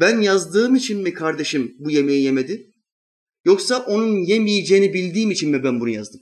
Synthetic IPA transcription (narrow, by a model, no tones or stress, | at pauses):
bænjazd̪ɯːmit͡ʃʰinmikʰaɾd̪e̞ʃimbuje̞mejije̞me̞d̪i | jo̞ksaʔo̞nunjemijed͡ʒejːnibilʲd̪iːmit͡ʃʰinmibænbunuja̰zd̪ɯm